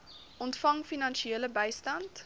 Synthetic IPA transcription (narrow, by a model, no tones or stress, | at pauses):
ʔɔntfɐŋfinɐnʃieːləbɛjstɐnt